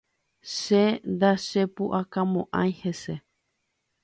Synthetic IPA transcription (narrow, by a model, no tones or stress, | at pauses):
ʃend̪aʃepuʔakamõʔã̰j̃hese